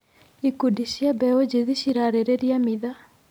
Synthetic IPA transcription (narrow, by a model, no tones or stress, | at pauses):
ikudiʃiabɛod͡ʑeðiɕiɾaɾeɾeɾjamiða